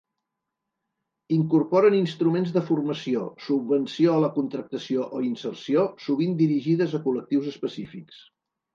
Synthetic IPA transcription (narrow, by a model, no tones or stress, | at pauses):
iŋkurpɔɾəninst̪ɾumenzðəfurməsiosub̚βənsioələkunt̪ɾək̚t̪əsioʔoinsərsiosuβ̞ind̪iɾiʒiðəzəkulək̚t̪iwzəspəsifiks